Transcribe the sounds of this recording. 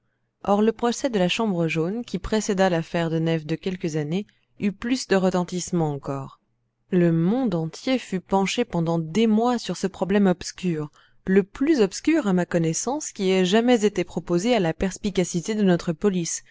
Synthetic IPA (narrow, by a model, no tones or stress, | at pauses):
ʔɔʁləpχɔsɛd̪əlaʃɑ̃bʁəʒonkʲipχesed̪alafɛʁd̪ənɛfd̪əkʲɛlkəzane | yplysd̪əʁət̪ɑ̃t̪ismɑ̃ːkɔːʁ | ləmɔ̃d̪ɑ̃t̪jefypɑ̃ʃepɑ̃d̪ɑ̃d̪emwasyʁsəpχɔblɛmɔbskʲyːʁ | ləplyzɔpskʲyʁamakɔnɛsɑ̃skʲiɛʒamɛzet̪epχɔpozealapɛʁspikʲasit̪ed̪ənɔt̪χəpɔlis